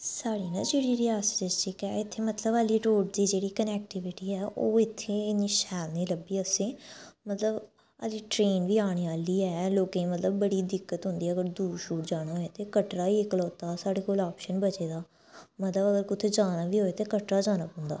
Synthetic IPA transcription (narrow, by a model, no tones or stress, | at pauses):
saːɽiːnã̰ːd͡ʒeːɽiːɾɪaːsʈɪst͡ʃiːkɛːɪt̪ʰːeːmət̪ləbaliːɾoːɖd̪iːd͡ʒeːɽiːkənɛːk̚ʈɪʋɪʈiːɦɛːʔoːɪt̪ʰːeːɪniːʃɛːlniːləbiːəsẽːmət̪ləb | ə̰liːʈɾeːnʋiːaːɽ̃iːʋaːliːɛːloːkẽːmət̪ləbːəɽiːd̪ɪkːət̪ɦʊ̃nd̪iːɛəɡəɾd̪uːʃuːʈd͡ʒaːɽ̃aːɦoːeːt̪eːkəʈɾaːiːɪkəlɔːt̪aːsaːɽeːkolaːpʃənbət͡ʃeːd̪aː | mət̪ləbəɡəɾkʊt̪ʰeːd͡ʒaːnaːʋiːɦoːeːt̪eːkəʈɾaːd͡ʒaːnaːpɔ̃nd̪a̰ː